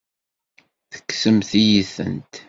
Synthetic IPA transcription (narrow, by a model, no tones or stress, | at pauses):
θə̥kːsəmθijiθə̰nt̪